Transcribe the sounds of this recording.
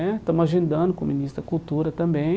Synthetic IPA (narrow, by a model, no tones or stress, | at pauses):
ɛt̪ɐ̃mʊaʒẽnd̪ɐ̃nd̪ʊkõminist̪ɾɐkult̪uɾɐt̪ɐ̃mbẽ